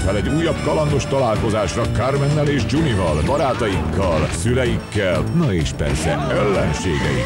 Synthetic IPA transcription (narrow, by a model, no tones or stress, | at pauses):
fɛlɛɟuːjːɒbkɒlɒŋd̪o̞ʃt̪ɒlaːlko̞zaːʃrɒkarmɛnːɛleːʒd͡ʒunivɒlbɒɾaːt̪ɒjikːɒlsylɛjikːɛlnɒeːʃpɛ̰rsɛ̰ɛlːɛnʃḛːɡɛ̰jḭ